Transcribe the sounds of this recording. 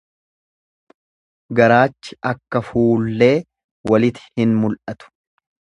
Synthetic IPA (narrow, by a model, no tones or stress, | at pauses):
ɡɐɾaːt͡ʃːɪ̥ɐkːɐfuːlːe̞ː | wɐlɪt̪ɪ̥hɪnmʊlʔɐt̪ʊ̥